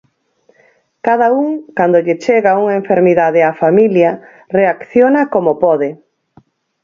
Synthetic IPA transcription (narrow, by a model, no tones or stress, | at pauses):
kaðauŋkand̪ʊʎɪt͡ʃeɣauŋaeɱfeɾmiðaðɪafamiljɐ | reakθjonɐkomopɔðɪ